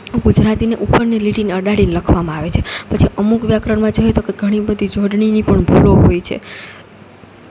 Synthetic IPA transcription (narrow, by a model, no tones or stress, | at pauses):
ɡud͡ʒɾat̪ineʔupəɾniliʈinəɖaɽinləkʰʋamãaʋet͡ʃʰepət͡ʃʰiʔəmukʋjakɾəɳmãd͡ʒoɦet̪okeɡʱəɽ̃ibəd̪ʱid͡ʒoɖɳinipəɳbʱuloɦojt͡ʃʰḛ